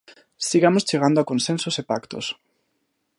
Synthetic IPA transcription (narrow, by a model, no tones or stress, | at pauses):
siɣamost͡ʃeɣ̞and̪oakõnsensosepakt̪o̰s